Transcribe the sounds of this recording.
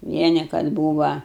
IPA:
ˈʋʲiɛnʲɪ kɐt ˈbuːʋɐ

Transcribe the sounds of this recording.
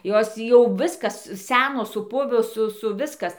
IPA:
ˈjoːs tʲiː ˈjɛʊ ˈʋʲɪskɐs ˈsʲæːnoːs sʊˈpʊʋoː ˈsʊ ˈsʊ ˈʋʲɪskɐs

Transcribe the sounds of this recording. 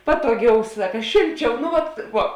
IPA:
ˈpɑːtoːˌɡʲɛʊ ˈsɑːkɐ ˈʃʲeːlʲˌt͡ʃʲɛʊ nʊ ˈʋɐt ˈʋuɔ

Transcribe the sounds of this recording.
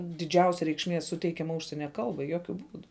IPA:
dʲɪˈd͡ʒʲɛʊsʲɛ rʲɛɪkʃʲˈmʲiɛ ˈsʊtʲɛɪkʲɛmɐ ˈʊʃʲsʲiɛnʲɛ ˈkɐlˠbɐɪ ˈjoːkʲʊ ˈbuːdʊ

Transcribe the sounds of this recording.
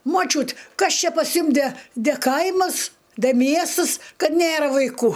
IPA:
moːˈt͡ʃʲuːt ˈkɐs ˈt͡ʃʲɛ pɐs ˈjʊm dʲɛ dʲɛ ˈkɐɪmɐs dʲɛ ˈmʲiɛstɨs ˈkɐt ˈnʲeːrɐ ʋɐɪˈkuː

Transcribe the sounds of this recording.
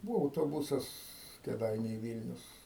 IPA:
ˈbuːʋoː ɐʊtoːˈbʊsɐs kʲeːˈdɐɪnʲɛɪ ˈʋʲiːlʲnʲʊs

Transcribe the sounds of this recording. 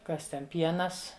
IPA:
ˈkɐs ˈtʲɛn ˈpʲiɛnɐs

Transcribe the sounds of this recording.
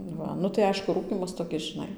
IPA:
ˈʋɐ nʊ tɐɪ ˈɐɪʃkʊ ˈruːkʲiːmɐs toːˈkʲɪs ʒʲɪˈnɐɪ

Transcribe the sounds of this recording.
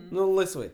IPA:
ˈnʊ lˠɐɪsˈʋɐɪ

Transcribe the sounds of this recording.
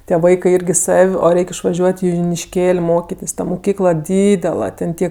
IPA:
tʲiɛ ˈʋɐɪkɜ ˈɪrʲɡʲɪ ˈsɐw oː ˈrʲɛɪk ɪʃʋɐˈʒʲuɔtʲ ɪ jʊnʲɪʃʲˈkʲeːlʲ ˈmoːkʲɪtʲeːsʲ ˈtɐ mʊˈkʲiːklˠɐ ˈdʲiːdʲɛlˠɐ tʲɛn ˈtʲiɛ

